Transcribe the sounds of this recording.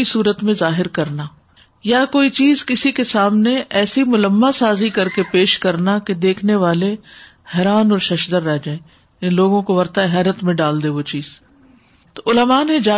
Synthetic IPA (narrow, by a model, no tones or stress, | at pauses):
isuːɾət̪mẽzaːɦɪɾkɐɾnaː | jakoːit͡ʃiːzkɪsikesaːmneʔɛːsimʊləmːasaːzikɐɾkepeːʃkɐɾnaked̪eːkʰneʋaːle | hɛːɾaːnɔːɾʃɐʃd̪əɾːɛɦd͡ʒaːẽː | loːɡõkoʋɐɾt̪aɦɛːɾət̪mẽɖaːld̪eʋot͡ʃiːz | t̪oʊləmaːnẽd͡ʒaː